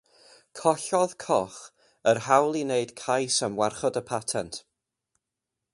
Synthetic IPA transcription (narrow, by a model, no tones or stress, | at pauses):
kʰɔɬɔðkʰɔχ | ərhawlˠineɨd̥kʰajsəmwarχɔdəpʰatʰɛntʰ